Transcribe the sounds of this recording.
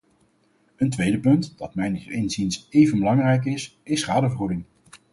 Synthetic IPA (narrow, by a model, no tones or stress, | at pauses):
əntʋejdəpɵntd̥ɑtmɛjnɪejnzinsejvənbəlɑŋrɛjk̬ɪsɪsχaːdəvəχudɪŋ